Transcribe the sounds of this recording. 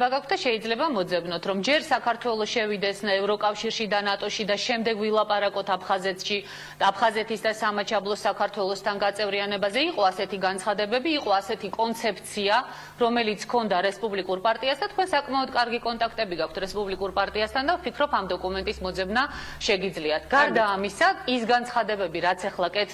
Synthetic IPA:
baɡakʰt̪d̪aʃɛid̪zlɛbamɔd̪zɛbnɔt̪ʰɾɔmd͡ʒɛɾsakʰaɾt̪ʰwɛlˠɔʃɛvid̪ɛsnaɛvɾɔkʼafʃiɾʃid̪anat̪ʼɔʃid̪aʃɛmd̪ɛɡvilˠapʼaɾakʼɔt̪ʰapʰχazɛt̪ʃi | apʰχazɛt̪ʰisd̪asamat͡ʃʰablˠɔsakʰaɾt̪ʰwɛlˠɔst̪ʰanɡat̪sʼɛvɾianɛbazɛiqʼɔasɛt̪ʰiɡansχad̪ɛbɛbiːqʼɔasɛt̪ʰikʼɔnt̪sʰɛpʰt̪sʰia | ɾɔmɛlit̪sʰkʰɔnd̪aɾɛspʼublikʼuɾpʼaɾt̪ʼiasd̪at̪̚ʰkʰwɛnsakʼmaɔd̪kʼaɾɡikʼɔnt̪ʼakʰt̪ʼɛbiɡakʷʰt̪ʰɾɛspʼublikʼuɾpʼaɾt̪ʼiast̪ʰand̪afpʰikʰɾɔpʰamd̪ɔkʼumɛnt̪ʼismɔd̪zɛbnaʃɛɡid̪zliat̪ʰɡ̥aɾd̪aːmisaisɡant̪sʰχad̪ɛbɛbiɾat̪sʰɛχlˠakʼɛt̪

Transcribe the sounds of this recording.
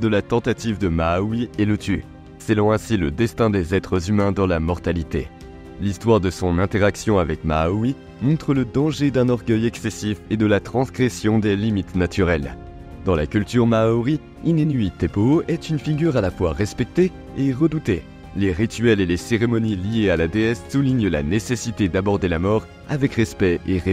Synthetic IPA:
d̪əlat̪ɑ̃t̪at̪ivd̪əmaːwielət̪y | sɛlɑ̃ɛ̃siləd̪ɛst̪ɛ̃d̪ezɛt̪χəzymɛ̃d̪ɑ̃lamɔʁt̪alit̪ḛ | list̪waʁd̪əsɔ̃nɛ̃t̪eʁaksjɔ̃avɛkma̰wi | mɔ̃t̪χələd̪ɑ̃ʒed̪ɛ̃nɔʁɡœjɛksɛsifed̪əlat̪χɑ̃sɡʁɛsjɔ̃d̪elimit̪nat̪yʁɛl | d̪ɑ̃lakʲylt̪yʁmaoʁi | inenɥit̪epoʔɛt̪ynfiɡʲyʁalafwaʁɛspɛk̚t̪eː | ʁəd̪ut̪e | leʁit̪ɥɛleleseʁemɔniliealad̪eɛssuliɲla̰nesesit̪ed̪abɔʁd̪elamɔʁ | a̰vɛkʁɛspɛeʁe

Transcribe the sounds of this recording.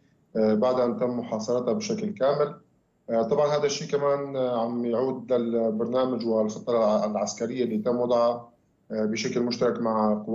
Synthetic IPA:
baʕd̪ʔant̪ɪmːʊħɑːsˤɑɾˤɑt̪abɪʃaklkaːmɪl | t̪ˤɑbʕɑnhaːd̪aʃːiːkamaːnʕamjʕuːd̪lalbɑɾˤnaːmɪd͡ʒwɪlxɨ̥t̪ˤːɑlʕaskaɾɪjːaʔlːiːt̪amːwɑd̪ˤʕɑ | bɪʃaklmʊʃt̪ɑɾˤɑkmaʕqʊw

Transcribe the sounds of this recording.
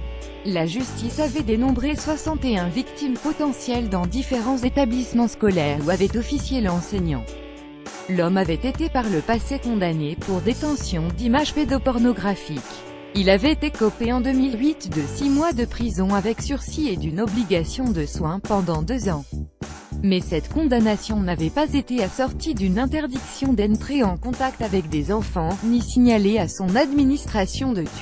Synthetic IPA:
laʒyst̪isavɛd̪enɔ̃bʁeswasɑ̃t̪eɛ̃vikt̪impɔt̪ɑ̃sjɛld̪ɑ̃d̪ifeʁɑ̃zet̪ablismɑ̃skɔlɛʁuavɛt̪ɔfisjeləɑ̃sɛɲɑ̃ | lɔmavɛt̪et̪epaʁləpasekɔ̃d̪anepuʁd̪et̪ɑ̃sjɔ̃d̪imaʒped̪ɔpɔʁnɔɡʁafik | ilavɛet̪ekɔpeɑ̃d̪əmilɥit̪d̪əsimwad̪əpχizɔ̃avɛksyʁsied̪ynɔbliɡasjɔ̃d̪əswɛ̃pɑ̃d̪ɑ̃d̪øzɑ̃ | mɛsɛt̪kɔ̃d̪anasjɔ̃navɛpazet̪easɔʁt̪id̪ynɛ̃t̪ɛʁd̪iksjɔ̃d̪ɛ̃nt̪χeɑ̃kɔ̃t̪akt̪avɛkd̪ezɑ̃fɑ̃nisiɲaleasɔ̃nad̪minist̪χasjɔ̃d̪ət̪

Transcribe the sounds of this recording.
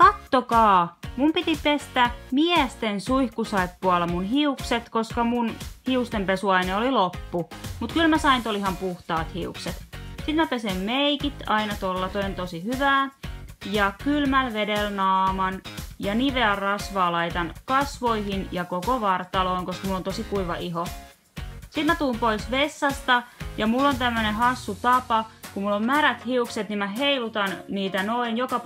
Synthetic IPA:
kɑt̪ːokɑːmumpit̪ipest̪æmiɛst̪ensuihkusɑepːuɑlːɑmunhiukset̪koskɑmunhiust̪empesuɑineolilopːumut̪kylmæsɑint̪olihɑmpuht̪ɑːt̪hiukset̪sit̪mæpesemmeikit̪ɑinɑt̪olːɑt̪oiont̪osihyʋæːjɑkylmælʋedelnɑːmɑnjɑniʋeɑrrɑsʋɑːlɑit̪ɑnkɑsʋoihinjɑkokoʋɑrt̪ɑloːŋkoskɑmulːont̪osikuiʋɑ̰ʔiɦo | sit̪mæt̪uːmpoisʋesːɑst̪ɑjɑmulːont̪æmːønehɑsːut̪ɑpɑkummulːommæɾæt̪hiukset̪nimæɦeilut̪ɑnniːt̪ænoinjokɑ

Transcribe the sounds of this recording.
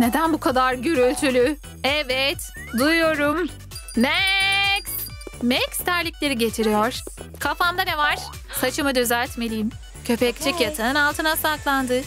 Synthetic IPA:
ne̞d̪ænbukʰad̪aɾɟøɾylʲt̪ʰylʲy | ɛvɛt̪ | d̪ujːo̞ɾum | nɛks | mɛcst̪ʰæɾlʲicʲlʲe̞ɾiɟe̞t̪ʰiɾijoɾ̥kʰafand̪anevaɾ̥ | sat͡ʃʰɯmɯd̪øzæɾʲt̪me̞lʲijim | cʰø̞pʰɛc̚ʲt͡ʃʰɛcjat̪ʰanɯnalˠt̪ʰɯnasaklˠand̪ɯ

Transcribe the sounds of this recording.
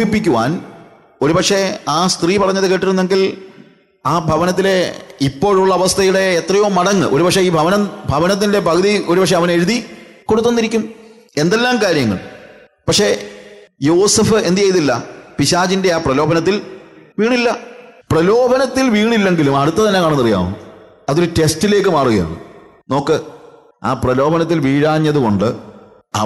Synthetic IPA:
ipːikʲːuʋa̰ːn | o̞ɾupɐkʂe̞aːst̪riːpɐrɐɲːɐðɨke̞ːʈːiɾunːe̞ŋɡil | aːbʱɐʋɐnɐt̪̬ːile̞ipːo̞ːɻuɭːɐːʋɐst̪ʰɐjuɽe̞ːt̪rɐjo̞ːmɐɽɐŋːɨ̰ʔo̞ɾupɐkʂe̞iːbʱɐʋɐnɐbʱɐʋɐnɐt̪̬ːinde̞bʱɐkɐðio̞ɾupɐkʂeɐʋɐneɾuðʱiko̞ɽut̪ːo̞nːiɾikʲːum | e̞nd̪e̞lːaːmkaːɾjɐŋːɐ̰ɭ | pɐkʂe̞ | joːsɐfɨe̞nd̪ijɐjt̪ilːɐ̰piɕaːd͡ʑinde̞aːprɐlo̞ːbɐnɐt̪̬ːilʋiːɳilːɐprɐlo̞ːbʱɐnɐt̪ːilʋiːɳilːe̞ŋɡilumɐɽut̪ːɐt̪ɐnːe̞kːaːɳɐnːɐrija̰ːʋṵn | ɐðo̞ɾute̞stile̞ːkːɨmaːruɣɐja̰ːðɨ̰ | no̞ːkːɨ | a̰ːprɐlo̞ːbɐnɐt̪̬ːilʋiːɻaːɲːɐðuko̞ɳɖɨ | ɐ̰

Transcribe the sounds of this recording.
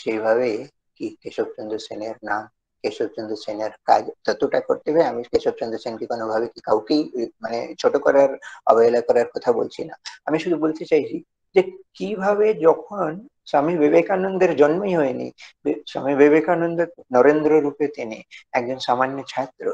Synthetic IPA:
ʃejbʱaβe | kikeʃob̚t͡ʃond̪ʱoseneɾnam | keʃob̚t͡ʃond̪ʱoseneɾka̰d͡ʑt̪ɔt̪oʈako̰ɾt̪eɦaeamikeʃob̚t͡ɕond̪ʱosenkikonobʱabekikawkejmanḛt͡ɕʰoʈokɔɾaɾa̰bɔjlakɔɾaɾkɔt̪ʰabo̰lt͡ɕʰina̰amiʃud̪ʱubolt̪et͡ɕajt͡ɕʰi | d͡ʑekibʱaβed͡ʑɔkʰon | samibebekanond̪eɾd͡ʑɔnmoiɦɔenḭbsa̰mibeβekanond̪onɔɾend̪ɾoɾupet̪eneɛk̚d͡ʑonʃamanjot͡ɕʰat̪ɾo

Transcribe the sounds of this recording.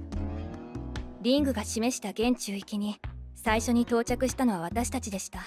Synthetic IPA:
ɾʲĩŋɡɯ̟ɡaɕime̞ɕi̥t̪aɡẽ̞ɲ̟t͡ɕɨːikʲiɲ̟isaiɕo̞ɲ̟it̪o̞ːt͡ɕakɯ̟ɕi̥t̪ano̞β̞aβ̞at̪aɕi̥t̪at͡ɕid̪e̞ɕi̥t̪a

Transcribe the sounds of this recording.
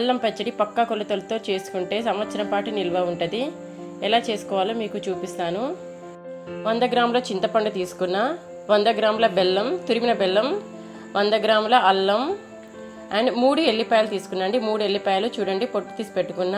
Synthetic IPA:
ɐlːɐmpet͡ʃːɐɽipɐkːɐkolːɐt̪olɐt̪o̞ːt͡ʃe̞ːsu̥kuɳʈe̞ːsɐmʋɐt̪sɐɾɐmpaːʈinilʋɐːuɳʈɐd̪i | ɛlaːt͡ʃe̞ːsu̥kɔːʋaːlɐmiːkut͡ʃuːpist̪aːnu | ʋɐnd̪ɐɡɾaːmlo̞ːt͡ʃint̪ɐpɐɳɖɐt̪iːsu̥kunːaː | ʋɐnd̪ɐɡɾaːmlɐbelːɐmt̪uɾiminɐbɛlːɐm | ʋɐnd̪ɐɡɾaːmlɐɐlːɐm | ɐɳimuːɽuelːipɐjɐlɐt̪iːsu̥kunːɐɳɖimuːɽue̞lːipɐjlut͡ʃuːɽɐɳɖipo̞ʈːu̥t̪iːsu̥pe̞ʈːu̥kunːa

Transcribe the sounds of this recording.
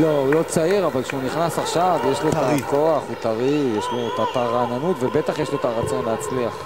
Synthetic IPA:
loulo̞t͡saiʁavalkʃeuniχnasaχʃavjeʃloetako̞aχut̪aʁijeʃlot̪ataʁananut̪vebet̪aχjeʃloet̪aʁat͡so̞nleat͡sliaχ

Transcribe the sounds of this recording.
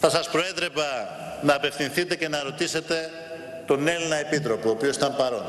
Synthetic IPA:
θɐsɐspɾo̞eðɾevɐ | nɐːpe̞fθinθit̪e̞ce̞nɐɾo̞t̪ise̞t̪e̞ | t̪o̞nelinɐe̞pit̪ɾo̞puoːpio̞si̥t̪ɐmpɐɾo̞nd̪

